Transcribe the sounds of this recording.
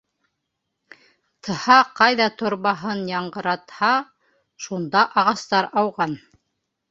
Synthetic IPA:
t̪ʰɤ̆hɑqɑjðɑt̪ʰŏɾβɑɦɤnjɑɴɢɤ̆ɾɑt̪hɑ | ʃund̪ɑʔɑʁɑst̪ɑɾɑwʁɑn

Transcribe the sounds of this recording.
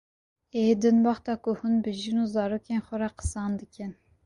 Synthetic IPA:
eːd̪ɨnbɑχt̪ɑːkʊhunbɨʒinuːzɑːɾoːkʲeːnxʷɔɾɑqə̥sɑːnd̪ɨkʲɛn

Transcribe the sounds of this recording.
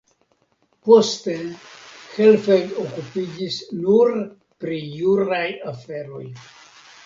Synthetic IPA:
po̞st̪exelfeɡokupid͡ʒisnuɾ | pɾijuɾajafe̞ɾo̞j

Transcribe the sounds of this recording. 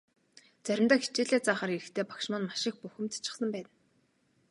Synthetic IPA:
t͡sæɾʲɪ̆mt̪aːxit͡ɕiːɮeːt͡saːχaːɾiɾɘ̆xt̪ʰeːpḁkʃmɔːnmaʃɪ̆x̚puxɘ̆mt͡sḁt͡ɕɪ̥̆sə̆mpæːn

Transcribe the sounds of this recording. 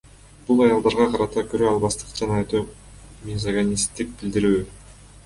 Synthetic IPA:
bulˠɑjɑlˠd̪ɑɾʁɑqɑɾɑt̪ɑkøɾøɑlˠβɑst̪ɯ̥qd͡ʒɑnɑt̪o | mʲizaɡanʲist̪ːik̚b̥ild̪iɾyː

